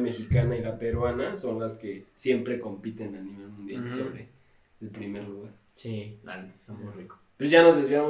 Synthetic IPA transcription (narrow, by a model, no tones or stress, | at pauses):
me̞xikanailape̞ɾwanaso̞nlaske̞sje̞mpɾe̞ko̞mpit̪enaniβelmũnd̪ja̰lso̰βɾe | elpɾimeɾluɣaɾsia̰nt̪e̥t̪amujriko̥pwezʝano̞zðezβjamo